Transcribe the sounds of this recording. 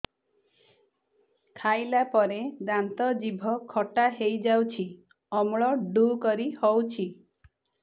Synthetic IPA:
kʰajlapɔɾed̪ant̪ɔd͡ʒibʱɔkʰɔʈaɦejd͡ʒawt͡ʃʰi | ɔmɭɔɖukɔɾihɔwt͡ʃʰi

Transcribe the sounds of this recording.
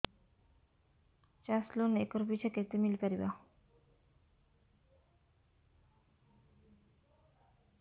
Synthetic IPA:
t͡ɕaslonekoɾpit͡ɕʰaket̪emilkaɾiba

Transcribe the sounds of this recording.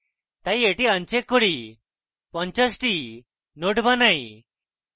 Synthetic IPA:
t̪aieʈiənt͡ɕekːoɽi | pə̃ɲt͡ɕasʈi | noʈbanai

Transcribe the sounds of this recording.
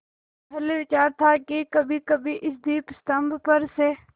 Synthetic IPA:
bɐleʋɪt͡ʃaːɾt̪ʰaːkikɐbʱikɐbʱiʔɪsd̪iːpst̪əmbʱpəɾseː

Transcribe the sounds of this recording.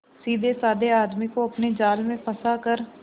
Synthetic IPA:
siːd̪eːsaːd̪eːaːd̪miːkoːəpneːd͡ʒaːlmẽːpʰəsaːkəɾ

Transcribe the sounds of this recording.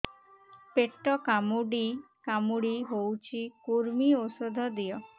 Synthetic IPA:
peʈːɔkamuɽi | kamuɽiɦowt͡ʃʰikuɾmiosod̪ʱɔd̪ijɔ

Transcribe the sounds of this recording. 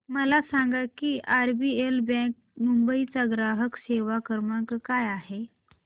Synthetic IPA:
məlasaŋɡakiːʔaɾbiːelbɛ̃k̚ | mumbəit͡saɡɾaɦəkseʋakəɾməkajaɦe

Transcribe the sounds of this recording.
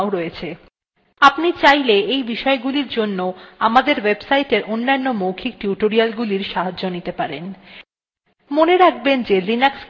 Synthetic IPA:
oɾɔjet͡ɕʰe | apnit͡ɕajleejbiʃɔeɡuliɾd͡ʑonːoamad̪eɾwebsajʈeɾʔonːanːomowkʰik̚ʈuʈoɾialɡuliɾʃaɦad͡ʑonit̪epaɾen | moneɾak̚ʰbend͡ʑelinaks

